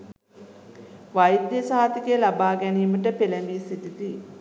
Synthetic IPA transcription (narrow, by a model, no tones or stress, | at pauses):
ʋajd̪jəsaːat̪ikəjlabaːɡæniːməʈəpelembiːsit̪it̪i